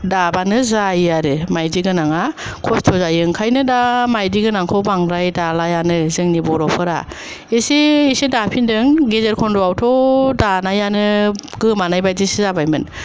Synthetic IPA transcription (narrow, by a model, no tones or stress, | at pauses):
dabanɯzajaɾɯmajdiɡɯnaŋa | kʰɔstʰɔzajɯŋkʰajnɯdamajdiɡɯnaŋkʰɔwbaŋɾajdalajanɯzɯŋnibɔɾɔpʰɯɾa̰ | eseːsedapʰindɯŋɡezeɾkʰɔndɔawtʰɔdanajanɯ | ɡɯmanajbajdisizabajmɯn